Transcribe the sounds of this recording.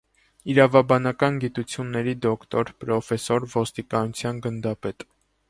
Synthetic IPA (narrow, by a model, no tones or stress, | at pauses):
iɾɑvɑbɑnɑkɑnɡit̪ut͡sʰjunːɛɾid̪ɔkʰt̪ɔɾpɾɔfɛsɔɾvɔst̪ikɑnut͡sʰjɑnɡənd̪ɑpɛt̪